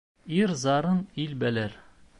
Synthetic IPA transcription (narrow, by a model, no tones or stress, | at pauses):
iɾzɑɾɤnilbælæɾ